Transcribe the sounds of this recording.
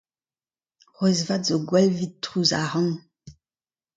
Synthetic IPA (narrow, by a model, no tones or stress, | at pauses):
ʁɛzvatzoɡwɛlvitːχuzaʁɑ̃ŋ